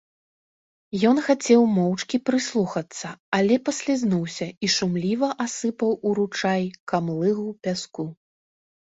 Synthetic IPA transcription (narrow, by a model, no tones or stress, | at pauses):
jɔnxat͡sʲɛwmɔwt͡ʂkʲipɾɨslˠuxɐt̪sːɐalʲɛpɐsʲlʲaznuwsʲɐiʂumlʲivɐʔasɨpɐwuɾut͡ʂajkamlˠɨɣupʲasku